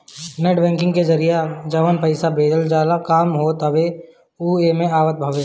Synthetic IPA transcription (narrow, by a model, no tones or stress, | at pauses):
neʈbɛ̃ːŋkɪ̃ŋɡked͡ʒɐɾijad͡ʒɐʋənpəɪsabeːd̪əld͡ʒjaːd̪akaːmɦoːt̪əʋe | uːemẽaːʋət̪̚bʱəʋe